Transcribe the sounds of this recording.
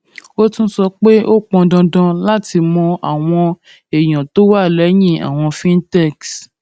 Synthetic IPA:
o˦tũ˦sɔ˧k͡pe˦ʔo˦k͡pɔ̃˧dɔ̃˧dɔ̃˧la˦ti˧mɔ̃˧ʔa˨w̃ɔ̃˧ | e˨j̃ɔ̃˨to˦wa˦˨lɛ˨˦jĩ˦˨a̰˨w̃ɔ̃˧fĩ˦n˦tɛ˦˨ks

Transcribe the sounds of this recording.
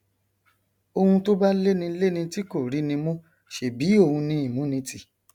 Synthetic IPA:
o˧hũ˧to˦ba˦le˦nĩ˧le˦nĩ˧ti˦ko˦˨ɾi˨˦nĩ˧mõ˦ | ʃe˨bi˨˦o˦˨hũ˧nĩ˧i˨mũ˨˦nĩ˧ti˨

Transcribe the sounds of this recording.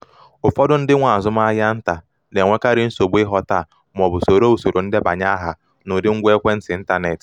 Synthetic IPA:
ʊ˨fɔ˦dʊ˦n̩˦dɪ˦ŋʷa˨a˨zʊ˦m˦a˦ja˦n̩˦ta˨ | ne˨ŋʷe˦ka˦ɾɪ˦n̩˦so˨bu˦ɪ˦ɦɔ˦ta˦˨ | m˨ɔ˨bʊ˨so˨ɾo˦u˨so˨ɾo˨n̩˦dɪ˦ba̰˨ɲa˦ɦa˨ | nʊ˨dɪ˦ŋ̩˦ɡʷe˦kʷe˦n̩˦sɪ˨n̩˦ta˦ne˨t

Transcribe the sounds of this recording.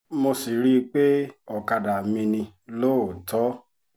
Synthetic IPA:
mo˧si˨ɾi˦k͡pe˦ɔ˨ka˧da˨mĩ˧nĩ˧ | loː˦˨tɔ˨˦

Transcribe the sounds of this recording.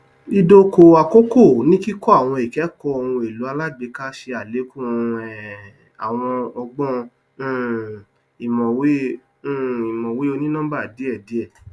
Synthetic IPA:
i˧do˦ko˧a˨ko˦ko˦˨nĩ˦ki˦kɔ˦a˦˨w̃ɔ̃˧i˨kɛ˨˦kɔ˧˦ɔ̃˧ũ˧e˨lu˨˦a˧la˦ɡ͡be˨˧˦ka˦ʃe˧a˨le˨˦kũ˦˨ɛ˨ | a̰˨w̃ɔ̃˧ɔ˧ɡ͡bɔ̃˦˨ | i˨mɔ̃˨wẽ˦˨ | i˨mɔ̃˨we˨˦o˧nĩ˦nã˦ba˦˨di˨˦ɛ˦˨di˨˦ɛ˦˨

